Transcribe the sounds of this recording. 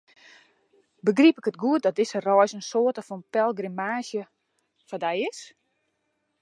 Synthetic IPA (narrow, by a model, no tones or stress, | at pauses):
bəɡripɪkətɡuət̚dɔt̚dɪsərɔjsənsoətəfɔnpɛlˠɡrimaːsjə | fɔdɛjɪs